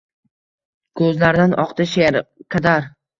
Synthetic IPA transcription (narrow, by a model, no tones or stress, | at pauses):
kʰɵzlaɾd̪anʔɒqt̪ɪʃeɾqʰɑd̪aɾ